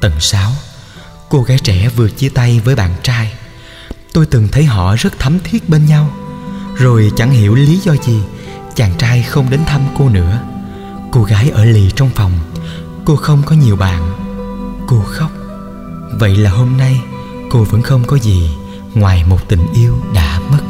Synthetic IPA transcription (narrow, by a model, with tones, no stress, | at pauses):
t̪ə˨˩nsaː˨˦w | ko˧ɣaː˨˦jt͡ɕɛ˧˩vɨ˨˩ət̚t͡ɕi˧t̪a˧jvəː˨˦jɓa̰ː˧˨nt͡ɕaː˧j | t̪o˧jt̪ɨ˨˩ŋt̪ʰə˨˦jɦɔ̰˧˨zə˦˥t̚t̪ʰə˨˦mt̪ʰi˦˥ət̚ɓe˧nɲa˧wzo˨˩jt͡ɕa˧˩ŋhi˧˩əwli˨˦zɔ˧zi˨˩t͡ɕaː˨˩ŋt͡ɕaː˧jxə˧wŋ͡mɗe˨˦nt̪ʰə˧mko˧nɨ̰˧˥ə | ko˧ɣaː˨˦jʔəː˧˩li˨˩t͡ɕɔ˧wŋ͡mfɔ˨˩wŋ͡m | ko˧xə˧wŋ͡mkɔ˨˦ɲi˨˩əwɓa̰ː˧˨n | ko˧xə˦˥wk͡p̚ | və̰˧˨jlaː˨˩ɦo˧mna˧j | ko˧və̰˧˥nxə˧wŋ͡mkɔ˨˦zi˨˩ | ŋwaː˨˩jmo˨˩t̚t̪ï˨˩ŋ̟ʔi˧əwɗa̰ː˧˥mə˦˥t̚